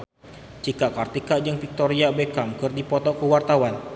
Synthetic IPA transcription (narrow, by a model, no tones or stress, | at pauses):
t͡ʃikakart̪ikaʔd͡ʒəŋfik̚t̪oɾiabekamkɨrdipɔt̪ɔkəwart̪awan